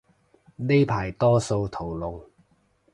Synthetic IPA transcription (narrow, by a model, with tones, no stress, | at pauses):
ne˥jpʰaː˨˩jt̪ɔː˥so˧wt̪ʰo˨˩wlʊ˨ŋ